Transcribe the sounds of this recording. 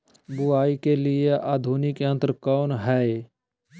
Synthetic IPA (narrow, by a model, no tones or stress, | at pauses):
bʊaːikelɪeʔaːd̪ʱuːnikə̃nt̪əɾkɔːnɦɛe